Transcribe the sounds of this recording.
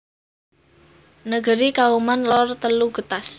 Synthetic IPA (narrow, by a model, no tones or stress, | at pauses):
nəɡ̥əɾikaumanlɔrt̪əluɡ̥ə̤t̪as